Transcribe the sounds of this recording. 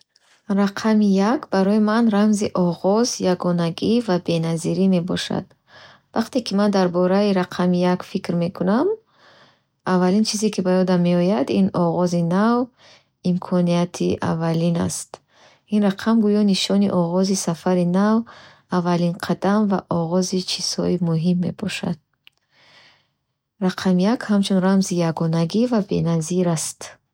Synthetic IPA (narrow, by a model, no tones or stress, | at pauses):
ɾaqʰamijakbaɾɔimanɾamziʔɔʁɔzjaɡɔnaɡivabe̞naziɾime̞bɔʃa̰d̪̥ | vaqt̪ekʰimand̪aɾbɔɾaiɾaqʰamijakfikɾme̞kʰunam | avːalint͡ʃʰizikʰibajɔd̪amːe̞ɔjad̪inɔʁɔzinav | imkʰɔnijat̪ʰiʔa̰valina̰st̪ | inraqʰamɡujɔniʃɔniʔɔʁɔzisafaɾinav | avalinqʰad̪amva̰ʔɔʁɔzit͡ʃʰiz̥hɔimuɦimːe̞̰bɔʃa̰d̪̥̚ | raqʰamijakhamt͡ʃʰunramzijaɡɔnaɡivabe̞naziɾast̪